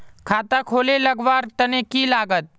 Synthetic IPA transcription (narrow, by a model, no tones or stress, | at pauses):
kʰaːt̪akʰoːlelɐɡʋaːɾt̪ɐnekilaːɡət̪̚